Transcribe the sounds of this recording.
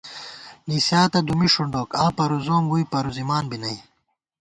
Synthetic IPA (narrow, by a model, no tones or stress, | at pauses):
nisjaːt̪ɐd̪umiʂuɳɖoːkãːpɐɾuzoːmɡujpɐɾuzimaːnbinɐi